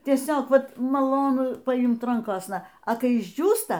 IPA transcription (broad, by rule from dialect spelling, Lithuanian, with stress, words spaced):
tʲiɛˈsʲoːk ˈʋɐt mɐˈlˠoːnʊ pɐˈɪmt ˈrɐŋkoːsnɐ ɐ ˈkɐɪ ɪʒʲˈd͡ʒʲuːstɐ